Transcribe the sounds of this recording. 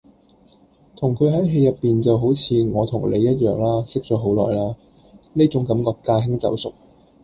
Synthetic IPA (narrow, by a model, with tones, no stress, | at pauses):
t̪ʰʊ˨˩ŋkʰɵ˨˧ɥɦɐ˨˥jɦe˧jɐ˨˩pːiː˨nt͡sɐ˨wɦo˨˥wt͡sʰiː˨˧ŋɔː˨˧t̪ʰʊ˨˩ŋlḛ˨˧jɐ˥t̚jœː˨˩ŋlaː˥sɪ˥k̚t͡sɔː˨˥ɦo˨˥wlɔ̰ː˨jlaː˥ | niː˥t͡sʊ˨˥ŋkɐ˨˧˥mkɔː˧kːaː˧ɦɪ˥ŋt͡sɐ̰˨˥wsʊ˨k̚